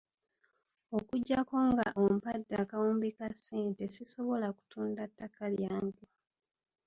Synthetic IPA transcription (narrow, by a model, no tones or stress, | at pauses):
o̞kuɟːako̞ŋɡaʔompadːaːkawuːmbikasːe̞ːnte̞siso̞βo̞laku̥tʰuːndatːakaljaːmɡu